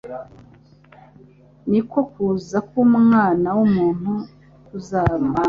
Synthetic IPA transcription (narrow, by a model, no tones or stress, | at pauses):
niko̞kuːzakumŋaːnawumuːn̥hu | kuzaːma